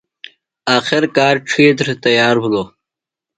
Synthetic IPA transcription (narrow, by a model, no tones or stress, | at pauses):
ɑːxɪɾkɑːɾʈ͡ʂʰeːt̪̬ɾt̪ɐjɑːɾblo